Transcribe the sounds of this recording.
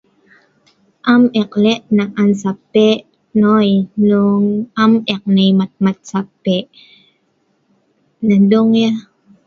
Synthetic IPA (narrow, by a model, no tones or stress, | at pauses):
ʔamɛqlɛʔnaʔansapːeʔ | nojnuŋamɛq̚nejmat̪̚mat̪̚sapːeʔ | naduŋja